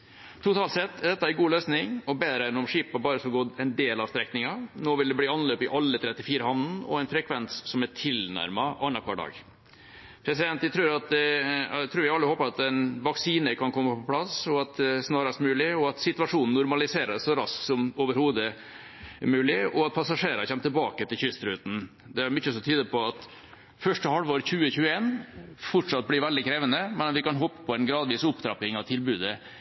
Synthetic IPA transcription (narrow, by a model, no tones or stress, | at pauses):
t̪ʰʊt̪ʰɑːlt̪sɛt̪ːd̪ɛt̪ːəæɾɡuːløːsnɪŋɔbeːd̪ɾəɛnɔmʂiːpɑbɑːɾəsɔɡɔd̪ɛɪnd̪eːlɑʋst̪ɾɛknɪŋɑnoːʋɪld̪ɛbliːɑnløːpɪʔɑlːət̪ʰɾɛt̪ːɪfiːɾəhɑnn̩ɔ̰ɛɪnfɾɛkʰʋɛnssɔmæʈʰɪlnæ̰ɾmɑʔɑnːɑkʰʋɑ̰ɖɑ̰ːɡ | pʰɾɛsɪd̪ɛnt̪ɪt̪ʰɾʉːɾɑt̪d̪ɛt̪ʰɾʉːɾjæɑlːəhoːpəɑt̪ɛɪnʋɑksiːnəkʰɑnkʰɔmːəpʰɔpʰlɑsɔɑt̪̚d̪ɛsnɑːɾɑst̪mʉːlɪɔɑt̪sɪt̪ʉʋɑʂuːnn̩ːʊɾmɑlɪseːɾəssɔɾɑsk̪sɔmoːʋəɾhuːd̪ə | mʉːlɪɔɑt̪̚pʰɑsɑʂeːɾəɾçɛmːt̪ʰɛlbɑ̰ːkət̪ʰɪlçʏst̪ɾʉːt̪n̩ | d̪ɛæɾmʏçːəsɔt̪ʰyːd̪əpʰɔɑt̪ | fœʂʈəhɑlʋoːɾçʉːəçʉːəeːnfɔʈʂɑt̪̚blɪɾʋɛld̪ɪkʰɾeːʋənəmɛnɑt̪ʋɪkɑnɦɔpːə̥pʰɔɛnɡɾɑːd̪ʋiːsʊpd̪ɾɑpɪŋɑʋt̪ʰɪlbʉːd̪ə